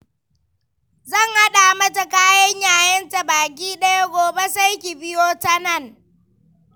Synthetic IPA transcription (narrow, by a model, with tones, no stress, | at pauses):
zɐ˦˨ŋha˦ɗa˨mɐ˦ta˨kaː˦jɐ˦ɲjaː˨jɐ˦nta˨baː˨k̬ʲiː˦ɗɐ˦ja˦ɡʷoː˨be˦sa˦jkʲi˨bɪ˦joː˦ta˦nɐ˦˨ŋ